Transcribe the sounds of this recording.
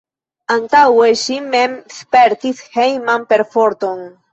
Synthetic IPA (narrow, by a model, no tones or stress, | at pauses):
ant̪aweʃime̞mspeɾt̪ishejmanpe̞ɾfo̞ɾt̪o̞n